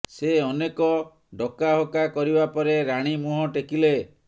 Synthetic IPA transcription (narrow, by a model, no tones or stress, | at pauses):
seɔnekɔ | ɖɔkaɦokakɔɾibapɔɾeɾaɽ̃imuɦɔʈekile